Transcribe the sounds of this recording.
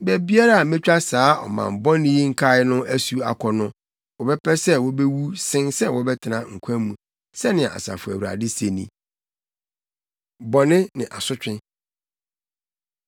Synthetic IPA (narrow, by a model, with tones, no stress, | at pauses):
bɛ˨bi˦a˦ɾa˦a˨mɛ̃˦t͡ɕᶣa˦saː˦ɔ̰˨mã̰˨m̩˨bɔ˦nɪ̃˦ji˦ŋ̩˦kʰa˦ɪ˦nʊ̃˦æ˦su˦a̰˨kʰɔ˨nʊ̃˦ | wɔ˨bɛ˦pʰɛ˦sɛ˦wɔ˦bɛ˦wu˦sɪ̃˦nsɛ˦wɔ˦bɛ˦tʰɪ˨nã˨ŋ̩˨kʷʰã˦mũ˨ | sɛ˦nɪ̃˨a˨ʔa̰˨sa̰˨fʊ˨æ˨wu˨ɾa̰˨dɪ˦se˨nḭ̃˨ | bɔ˨nɪ̃˦nɪ̃˨ʔa˨sʊ˦t͡ɕᶣɪ̃˦